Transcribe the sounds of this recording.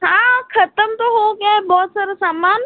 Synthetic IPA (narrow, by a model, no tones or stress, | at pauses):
ɦãːkʰɐt̪əmt̪oɦoɡaːɛbɔːt̪saːɾasaːmaːn